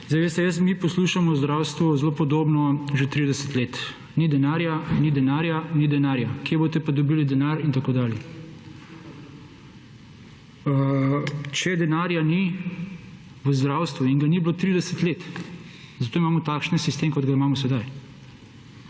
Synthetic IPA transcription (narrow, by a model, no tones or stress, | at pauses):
zajʋeːst̪ɛjəsmipɔsluːʃamɔzd̪ɾawst̪ʋuzloːpɔd̪oːbnɔʒet̪ɾid̪ɛsə̥t̪leːt̪ | nid̪ɛnaːɾjanid̪ɛnaːɾjanid̪ɛnaːɾjakjebot̪ɛpad̪ɔbiːlid̪ɛnaːɾint̪akoːd̪aːljɛ | t͡ʃɛd̪ɛnaːɾjani | ʋəzd̪ɾaːwst̪ʋuiŋɡanibloːt̪ɾid̪ɛsət̪leːt̪ | zat̪oːimaːmɔt̪aːkʃnɛsist̪eːmkɔd̪ɡaimaːmɔsɛd̪aj